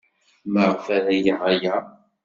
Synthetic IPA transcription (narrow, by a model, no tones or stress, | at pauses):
məʁfæɾæjəʁajæ